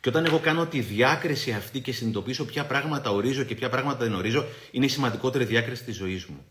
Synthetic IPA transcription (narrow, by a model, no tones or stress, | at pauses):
ceo̞t̪ɐne̞ɣo̞kɐno̞t̪iðiɐkɾisiɐft̪ice̞sinit̪o̞piso̞pçɐpɾɐɣmɐt̪ɐo̞ɾizo̞ce̞pçɐpɾɐɣmɐt̪ɐðeno̞ɾizo̞ | ine̞isimɐnd̪iko̞t̪e̞ɾiðiɐkɾisi̥t̪izo̞izmu